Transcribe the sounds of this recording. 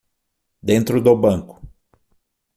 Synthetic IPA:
d̪ẽnt̪ɾʊd̪ʊbɐ̃kʊ̥

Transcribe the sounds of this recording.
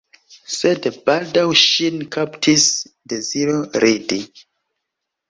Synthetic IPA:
sedbaldawʃinkʰaptʰisdeziɾoɾidi

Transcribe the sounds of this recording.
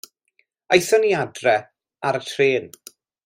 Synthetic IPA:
ajsɔniadrɛ | aɾətʰreːn

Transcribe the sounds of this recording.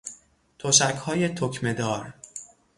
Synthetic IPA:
t̪ʰoʃækhɒːje̞t̪ʰocʰme̞d̪ɒːɾ

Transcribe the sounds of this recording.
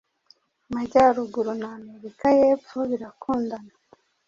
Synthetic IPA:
maɟaɾuɡuɾunaːme̞ɾikajeːpfoβiɾakʰuːndana

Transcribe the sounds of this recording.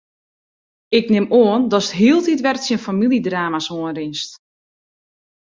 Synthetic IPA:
ɪknɪmoəndɔsətɦiəlˠtitʋɛrtsiənfamilˠidraːmasoənrɪnst

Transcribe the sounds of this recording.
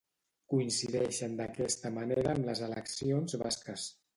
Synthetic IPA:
kuinsiðɛʃənd̪əkɛst̪əməneɾəːmləzələksionzβa̰skəs

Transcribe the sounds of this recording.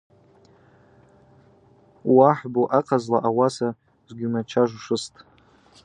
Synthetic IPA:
waħboʔaqʰazlaʔawasa | zʷɡʲinat͡ʃʰaʐʷʂɨstʼ

